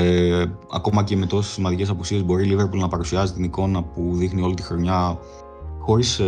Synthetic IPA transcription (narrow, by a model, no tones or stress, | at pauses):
ɐ̰ko̞mɐce̞me̞t̪o̞se̥simɐnd̪ice̞sɐpusie̞zbo̞ɾilive̞ɾpulnɐpɐɾusiɐzit̪iniko̞nɐpuðixnio̞lit̪ixɾo̞ɲɐ | xo̞ɾis